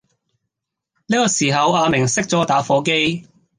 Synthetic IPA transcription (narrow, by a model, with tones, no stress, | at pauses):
liː˥kɔː˧siː˨˩ɦɐ˨˧waː˧mɪ˨˩ŋsɪ˥k̚t͡sɔː˨˥t̪aː˨˥fɔː˨˥ke˥j